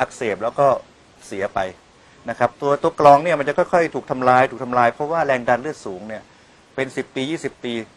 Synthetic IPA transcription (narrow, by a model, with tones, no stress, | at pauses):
ʔa˦˥k̚seː˨˩p̚lɛː˦˥wkɔː˥˩ | si˩˦ɐpa˧j | na˦˥kʰa˦˥p̚t̪u˧ɐt̪u˧ɐklɔː˧ŋni˥˩ɐma˧nt͡ɕa˨˩kɔ˥˩jkʰɔ˥˩jt̪ʰuː˨˩k̚t̪ʰa˧mlaː˧jt̪ʰuː˨˩k̚t̪ʰmlaː˧jpʰɾɔ˦˥waː˥˩ɾɛː˧ŋdaː˧nlɯ˥˩ət̪̚suː˩˦ŋni˥˩ɐ | pe˧nsi˨˩p̚p̪iː˧jiː˥˩si˨˩p̚t̪iː˧